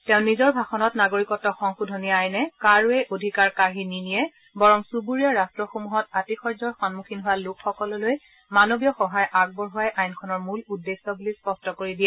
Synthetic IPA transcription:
tɛʊ̃nizɔɹbʱaxɔnɔtnaɡoɹikɔtɔxɔŋxudʱɔniajnɛkaɹuɛʔodʱikaɹkaɦininijɛ | bɔɹɔŋsubuɹijɔɹastɹɔxomuɦɔtatixʰɔɹzɔɹxɔnmuxʰinɦʊwalʊkxɔkɔlɔloj | manobijɔxɔɦajʔaɡ̚bɔɹɦuajʔajnkʰɔnɔɹmuludːesːɔbulispɔstɔkoɹidijɛ

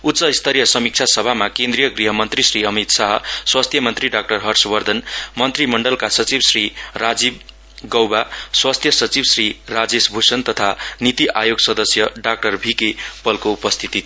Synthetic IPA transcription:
ut̪ːsʌist̪ʰʌɾijʌsʌmik̚t͡sʰasʌbʱamakẽnd̪ɾijʌɡriɦʌmʌnt̪risriʌmit̪saɦʌswast̪ʰjʌmʌnt̪riɖak̚ʈʌrɦʌrsbʌrd̪ʱʌnmʌnt̪rimʌɳɖʌlkasʌt͡sibsrirad͡zib̚ | ɡʌwbaswast̪ʰjʌsʌt͡sibsrirad͡zesbʱusʌnt̪ʌt̪ʰanit̪iʔajoɡsʌd̪ʌsjʌɖak̚ʈʌrbʱikepʌlkoupʌst̪ʰit̪i

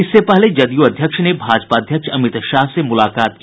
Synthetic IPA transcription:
ɪsːepɛɦled͡ʒɐd̪juɐd̪ʱjəkʃnebʱaːd͡ʒpaːd̪ʱjəkʃɐmɪt̪ʃaːɦsemʊlaːkaːt̪k

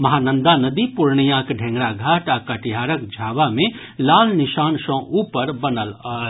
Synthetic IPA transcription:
mɐɦaːnə̃nd̪anəd̪ipʊɾɳijãkɖʱɛ̃ŋɡɽaɡʱaːʈakəʈiɦaːɾək̚d͡ʒʱaːʋamẽ | laːlnɪʃaːnʃə̃ʔuːpəɾbənəlɔː

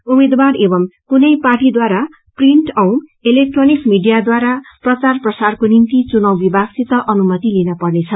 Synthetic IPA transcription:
umed̪warebʌmkunʌjparʈid̪waɾa | priɳʈʌw̃elek̚ʈronikmiɖijad̪waɾaprʌt͡sarprʌsarkonint̪it͡sunʌwbibʱaɡsit̪ːʌʔʌnumʌt̪ilinʌpʌrnet͡sʰʌ

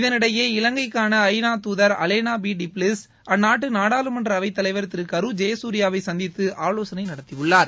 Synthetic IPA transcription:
ɪðɐnɪɽɐjeːɪlɐŋɡɐɪkːaːnɐːjnaːt̪uːðɐɾɐ̰leːnaːbiːɖiplɪs | ɐnːaːʈ̬ːɯnaːɽaːlɯmɐndrɐɐʋɐɪt̪ːɐlɐɪʋɐɾt̪ɪɾɯkːɐɾɯd͡ʒɐjɐsuːɾɪjaːʋɐɪsɐnd̪ɪt̪ːɯʔaːɭoːsɐnɐɪnɐɽɐt̪ːɪjɯɭːaːɾ

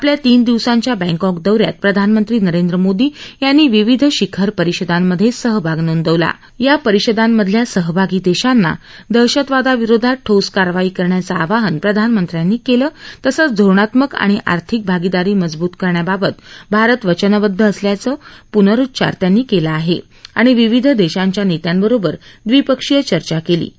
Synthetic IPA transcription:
apljat̪iːnd̪iʋsãɲt͡ɕjabɛ̃ŋkɔkd̪əʋɾja̰t̪̚pɾəd̪ʱanmənt̪ɾiːnəɾend̪ɾəmod̪iːjanːiːʋiʋid̪ʱɕikʰəɾpəɾiɕəd̪amːəd̪ʱːjesəɦbʱaɡnond̪əʋla̰ | japəɾiɕəd̪amːəd̪ʱljasəɦbʱaɡiːd̪eɕanːa̰ | d̪əɾɕət̪ʋad̪aʋiɾod̪ʱaʈʰoskaɾʋaiːkəɾɳjat͡saːʋaɦənpɾəd̪ʱanmənt̪ɾjanːiːkeləːt̪əsət͡sd̪ʱoɾɳat̪məka̰ɽ̃iʔa̰ɾt̪ʰik̚bʱaɡid̪aɾiːməd͡zbuːt̪kəɾɳjababət̪bʱaɾət̪ʋət͡ɕənəʋəd̪ʱːəːsljat͡səːpunəɾut̪ːt͡ɕa̰ɾt̪janːiːkelaːɦe | aɽ̃iʋiʋid̪ʱd̪eɕaɲt͡ɕjanet̪jambəɾobəɾd̪ʋipəkʂijət͡ɕəɾt͡ɕakelḭː

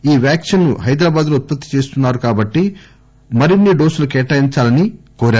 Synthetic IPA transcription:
iːʋjaːkʂɐnːuɦɐjd̪ɾaːbaːd̪loːt̪̚pɐt̪ːi̥t͡ʃe̞ːst̪unːaːɾukaːbɐʈːi | mɐɾinːiɖo̞ːsulukɛːʈaːjiɲt͡ʃaːlɐnikoːɾaːɾu

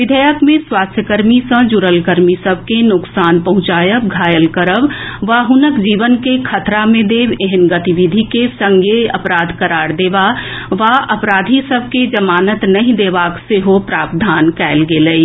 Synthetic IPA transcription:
ʋɪd̪ʱəjəkmẽswaːst̪ʰjəkəɾmisə̃d͡ʒuɾəlkəɾmisəb̚ʱkenʊksaːnpɐɦʊ̃t͡ʃaːjəkɡʱaːjəlkəɾəʋʋaːɦʊnəkd͡ʒiːʋənkekʰɐt̪ɾamẽd̪eːʋeɦənɡət̪iʋid̪ʱikesə̃ŋɡʱeɐpɾaːd̪ʱkəɾaːɽd̪eːʋaːʋaʔɐpɾaːd̪ʱisəbʱked͡ʒəmaːnət̪nɐɦĩd̪eːʋaːkseɦopɾaːbd̪ʱaːnkɛːlɡeːləi

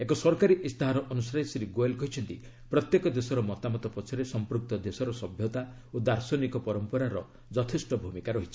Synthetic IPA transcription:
ekɔsɔɾkaɾiʔist̪aɦaɾɔʔɔnusaesɾiɡoelkɔɦit͡ʃʰɔnt̪i | pɾɔt̪jekɔd̪esɔɾɔmɔt̪amɔt̪ɔpɔt͡ʃʰɔɾesɔmpɾuk̚t̪ɔd̪esɔɾɔsɔbʱjɔt̪a | od̪aɾsɔnikɔpɔɾɔmpɔɾaɾɔ | d͡ʒɔt̪ʰesʈɔbʱumikaɾɔɦit͡ʃʰi̥

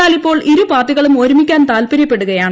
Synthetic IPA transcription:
aːlipːo̞ːɭʔiɾupaːt̪ːiɣɐɭumoːɾumikʲːaːnt̪aːlpɐɾjɐpːeɽuɣɐjaːɳ

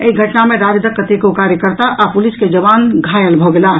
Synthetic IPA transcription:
əiɡʱəʈnameɾaɾd̪əkːət̪ekokaɾjəkəɾt̪aʔapulisked͡ʒəβanɡʱajəlbʱɔɡela

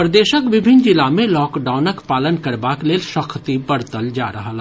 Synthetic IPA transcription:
pɾɐd̪eːʃəkʋɪbʱɪnd͡ʒɪlamẽlɔːkɖaːʊnəkpaːlənkɐɾbaːkleːlʃɐkʰt̪ibɐɾt̪əld͡ʒa̰ːɾɐɦala

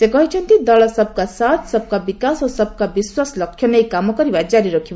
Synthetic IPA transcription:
sekʌɦit͡sʰʌnt̪id̪ʌlʌsʌb̚kasat̪ʰsʌb̚kabikasosʌb̚kabiswaslʌkʰjʌnʌjkamʌkʌɾibad͡zaɾiɾokʰi

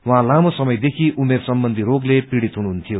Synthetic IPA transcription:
wʌɦãlamosʌmʌjd̪ekʰiʔumersʌmbʌnd̪ʱiɾoɡlepiɽit̪ɦunuɦunt̪ʰijo

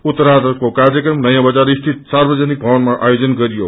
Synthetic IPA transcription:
ut̪ːʌɾad̪ʌkokarjʌkɾrʌmnʌjãbʌd͡zaɾist̪ʰit̪̚sarbʌd͡zanik̚bʱʌwʌnmaʔa̰jod͡zʌnɡʌɾijo

